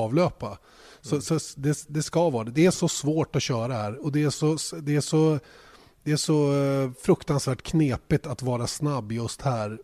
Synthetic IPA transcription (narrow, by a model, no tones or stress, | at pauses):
vløːpa | sɔsɔd̪ɛd̪ɛskavɑːd̪ɛd̪ɛæʂɔsvoːʈɔɕœːɾahæːɾɔd̪ɛæʂɔsd̪ɛæʂɔ | d̪ɛæʂɔfɾɵkt̪ansvæːʈkʰneːpɪt̪at̪vɑːɾasnabːjɵst̪hæːɾ